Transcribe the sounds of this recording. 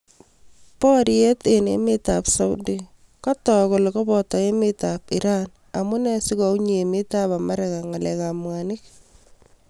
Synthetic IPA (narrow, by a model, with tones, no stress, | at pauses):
pɔ˦ɾje˦t̪e˨nḛ˦mɪ˦tapsa˦wdi | kɔ˦tɔko˨lkɔ˦bɔta˨e˦mɪtap̚iɾan | amʊ˦nɛ˦si˦kɔ˨uɲ˨mɪ˦ta˦pa˨ma˦ɾɛka˨ŋa˨lɛkamwanɪk̚